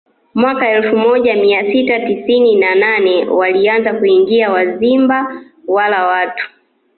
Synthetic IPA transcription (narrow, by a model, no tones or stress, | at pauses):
mwakaɛlfumɔʄamiasitatisininananɛwalianzakuiŋɡiawazimba | walawatu̥